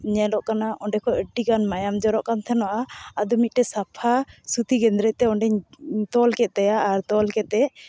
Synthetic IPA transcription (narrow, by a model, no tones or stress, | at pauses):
ɲɛlɔʔkanaʔɔɳɖɛkɔʔəɖikanmajamd͡ʒɔɾɔʔkant̪ʰɛnɔʔaəd̪ɔmic̪̚ˀʈɛsapʰasut̪iɡɛnd̪ɾɛc̚ˀt̪ɛɔɳɖɛɲt̪ɔlkɛt̪ajaʔːɾt̪ɔlkɛt̪̚ːɛ